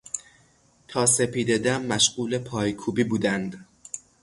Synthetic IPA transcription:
t̪ʰɒːse̞pʰiːd̪e̞d̪æmːæʃɢuːle̞pʰɒːjkʰuːbiːbuːd̪ænd̪

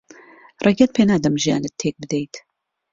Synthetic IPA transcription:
rʔeɡɛt̪̚pʰeːnaːd̪ɐmʒija̰ːnɨt̪ʰːeːk̚bɨd̪ejt̪

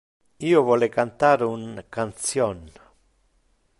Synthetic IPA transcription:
ioβolekant̪aɾuŋkant͡sjon

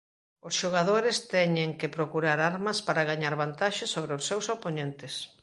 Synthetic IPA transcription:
osʃoɣaðoɾɪst̪ɛɲeŋkɪpɾokuɾaɾaɾmɐspaɾaɣaɲaɾβant̪aʃɪsoβɾeosːewsoponent̪ɪs

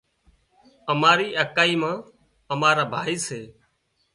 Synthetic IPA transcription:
əmaːɾiːʔəkaːiːmãː | əmaːɾaːbʱaːiːseː

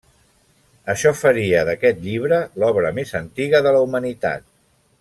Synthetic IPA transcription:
əʃɔfəɾiəðəkɛt̪̚ʎiβ̞ɾəlɔβɾəmezənt̪iɣəðələumənit̪a̰t̪̚

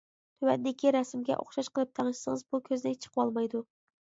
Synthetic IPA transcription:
t̪ʰøwɛt̪d̪ɪkʲʰiɾɛsmɡʲɛ̰ʔo̰χʃɑʃqəlˠɨp̚t̪ʰæŋɨʃsɨŋəɨzbukʲʰøznɪt͡ʃʰə̥qʰəwɑlˠmɑjd̪u

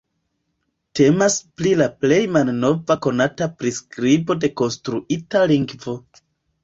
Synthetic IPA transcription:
te̞masplilaple̞jmalno̞vako̞natapɾiskɾibo̞de̞ko̞nstɾuitaliŋɡvo̞

